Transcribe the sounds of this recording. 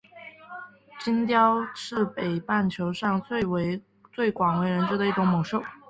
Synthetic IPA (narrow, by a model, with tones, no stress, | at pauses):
t͡ɕi˥nt̪jɑ˥ʊʈ͡ʂʰɻ̩˥˩pe˨˩ɪpa˥˩nt͡ɕʰjo˧˥ʊʂɑ˥˧ŋt͡swe˥˩ɪwe˧˥ | t͡swe˥˩ɪkwɑ˨˩ŋwe˧˥ɪɻə˧˥nʈ͡ʂɻ̩˥d̪ə˧i˥˩ʈ͡ʂʊ˧˥ŋmo˨˩ʊʂo˥˩ʊ